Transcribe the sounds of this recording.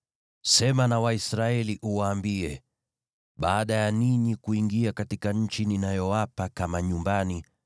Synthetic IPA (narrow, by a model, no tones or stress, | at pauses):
sɛmanawaisɾaɛliʔuwaːmbiɛ | ɓaːɗajaniɲikuiŋɡiakatikaɲ̩t͡ʃininajɔwapakamaɲumbani